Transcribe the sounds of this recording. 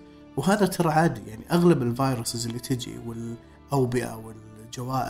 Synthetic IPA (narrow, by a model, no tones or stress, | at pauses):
wɦaːðat̪ʰɑɾˤɑʕaːd̪ijaʕniʔaɣlabɪlvaːjɾʊsɪzɪlːit̪ʰɪd͡ʒḭwɪl | ʔawbɪʔa̰wɪl | d͡ʒawaːʔ